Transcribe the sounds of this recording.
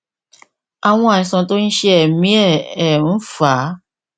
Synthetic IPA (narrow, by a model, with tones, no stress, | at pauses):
a˨w̃ɔ̃˧a˨nĩ˨˧sã˧to˦ñ̩˦ʃe˦ɛ˦˨mĩ˨˦ɛ˦˨ɛ˨ũ˨˦fa˨˦